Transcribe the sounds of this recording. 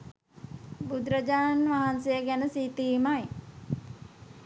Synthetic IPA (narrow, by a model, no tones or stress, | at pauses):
bud̪ɾəd͡ʒaːnʋaɦansejəɡænəsiːt̪iːmaj